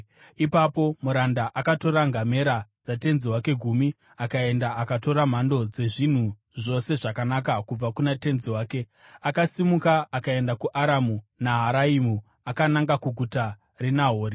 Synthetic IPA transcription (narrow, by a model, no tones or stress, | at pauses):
ipapo̞muɾandaʔakato̞ɾaŋɡʱame̞ɾad͡zate̞nziwake̞ɡʱumi | akae̞ndaʔakato̞ɾam̤ando̞d͡ze̞ʐin̤u | ʐo̞se̞ʐakanak̬akub͡vakunate̞nziwaːke̞ | akasimukaːkae̞ndakuʔaɾamunaɦaɾaimu | akanaŋɡakuɡʱuta | renaɦoːri